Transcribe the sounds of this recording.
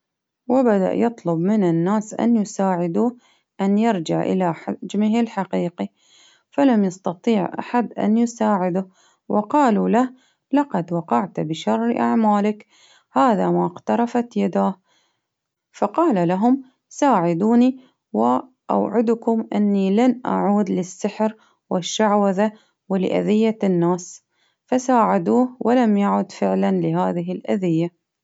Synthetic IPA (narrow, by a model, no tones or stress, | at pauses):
wɪbad̪a̰ʔjɨt̪ˤlʊbmɪnɪnːaːsʔa̰njʊsaːʕɪd̪uːh | ʔanjɑɾˤd͡ʒɪʕʔɪ̰laħad͡ʒmɪɦɪlħaqiːqi | falamjɑst̪ɑt̪ˤiːʕʔa̰ħad̪ʔa̰njʊsaːʕɪd̪ʊh | wʔɪqɑːlulah | lɑqɑd̪wɑqɑʕt̪bɪʃɑrˤːʔa̰ʕmaːlɪk | haːðamaɣt̪ɑɾˤɑfat̪jad̪aːh | fɑqɑːlalaɦʊm | saːʕɪd̪uːni | wɪ | ʔa̰wʕɪd̪ʊkʊmʔɪnːilanʔa̰ʕuːd̪lɪsːɪħɾ | wɪʃːaʕwaða | wɪlɪʔa̰ðɪjːanːaːs | fasaːʕad̪uːhwʔɪlamjaʕʊd̪fɪʕlanlɪɦaːðɪɦɪlʔaðɪjːa